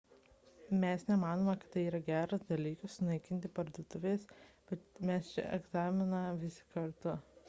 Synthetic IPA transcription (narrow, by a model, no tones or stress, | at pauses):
mʲɛsnʲɛmɑːnoːmɐkɐ̥t̪t̪ːɐɪiːɾɐɡʲæːɾʊsd̪ɐlʲiːkʊssʊnɐɪkʲɪnʲt̪ʲɪpɐɾd̪uːt̪ʊʋʲeːsb̥ʲɛt̪mʲɛst͡ʃʲɛ̰ʔɛ̰ɡzɑːmʲɪnɐʋʲɪsʲɪ̥kɐɾt̪ʊ